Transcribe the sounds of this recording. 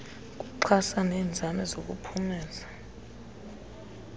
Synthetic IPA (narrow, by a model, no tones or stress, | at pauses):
k̬ʼuǃʰasanɛːnd͡zʱanɛzok̬ʼṵpʰumɛːza